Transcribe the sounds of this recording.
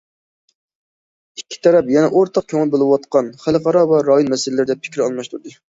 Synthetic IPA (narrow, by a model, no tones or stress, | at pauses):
ikʲʰːi̥t̪ʰɛɾɛpjɛnɛʔoɾt̪ʰɑq̚kʲʰøŋɪlˠbolˠɨwɑt̪qɑnχælˠqɑɾɑvɛɾɑjonmɛsɪlɪlɪɾɪd̪ɛpʰɪ̥kʲɪɾɑlˠmɑʃt̪ʰuɾd̪ɨ